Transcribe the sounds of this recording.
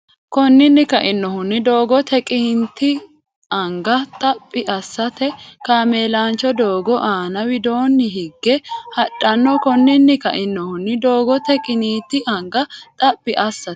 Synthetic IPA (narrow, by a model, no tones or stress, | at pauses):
kɔnːɪnːɪkɐʔɪnːɔhʊnːɪd̪o̞ːɡɔt̪ʰɛkʼɪnt̪ːɪ | ɐŋɡɐt̪ʼɐpʼːɪʔɐsːɐt̪ɛkaːmeːlaːnt͡ʃːɔd̪o̞ːɡɔʔaːnɐwɪd̪o̞ːnːɪɦɪɡːɛhɐᶑɐnːɔkɔnːɪnːɪkɐ̰ʔɪnːɔhʊnːɪd̪oːɡɔt̪ɛkʼɪniːt̪ːɪʔɐŋɡɐt̪ʼɐpʼːɪʔɐsːɐt̪